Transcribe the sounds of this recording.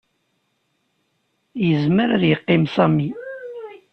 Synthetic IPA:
jəzməɾaðjəqːɪmsɑmːi

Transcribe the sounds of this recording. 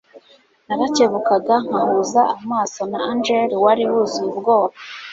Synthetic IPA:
naɾaceβukaɡaŋ̥ahuzaamaːso̞naand͡ʒeɾiwaɾiwuziubɡo̞ːβa

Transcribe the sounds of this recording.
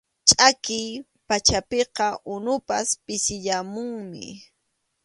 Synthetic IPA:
t͡ʃʼakɪj | pat͡ʃapeqɑʔʊnʊpaspɪsɪʎamʊŋmɪ̰

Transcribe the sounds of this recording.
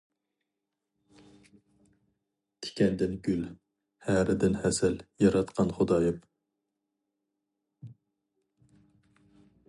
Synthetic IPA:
t̪ʰɪ̥kʲʰɛnd̪ɪnɡʲyl | hæɾɪd̪ɪnhɛsɛljɑɾɑt̪qʰɑnχod̪ɑjɪp

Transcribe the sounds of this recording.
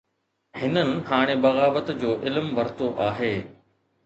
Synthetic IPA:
hɪnənɪ̆ɦaːɽ̃ebɐɣaːʋət̪d͡ʑoːʔɪlmʋɐɾt̪oʔaːɦeː

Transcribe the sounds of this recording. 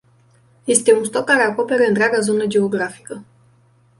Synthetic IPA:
je̞st̪e̞unst̪o̞kːaɾe̞ako̞pe̞ɾeɨnt̪ɾeaɡazo̞nəd͡ʒe̞o̞ɡɾafi̥kə

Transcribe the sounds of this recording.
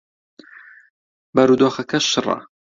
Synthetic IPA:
bɐɾud̪oːxɐkʰɐʃɨrˤɐ̰

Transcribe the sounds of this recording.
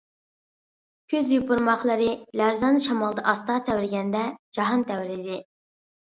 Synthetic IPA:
kʲʰøzjupʊɾmɑχlˠɨɾɨlæɾzɑnʃɑmɑlˠd̪ɑʔɑst̪ɑːt̪ʰɛwɾɪɡʲɛnd̪ɛd͡ʒɑɦɑnt̪ʰɛwɾɪd̪ɪ

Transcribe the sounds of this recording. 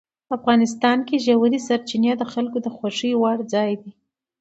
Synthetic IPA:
afɣɑnɪs̬t̪ɑnkeʒawaɾisaɾt͡ʃinjɑd̪əxalkod̪əxwaʂiwɑɽd͡zɑjd̪i

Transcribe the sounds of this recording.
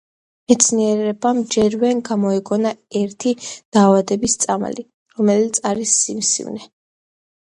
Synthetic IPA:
mɛt̪sʰniɛɾɛbamd͡ʒɛɾvɛnɡamɔɛɡʼɔnaɛɾt̪ʰid̪̥aːvad̪ɛbist̪sʼam̰li | ɾɔmɛlit̪sʰaɾisːimsḭvnɛ

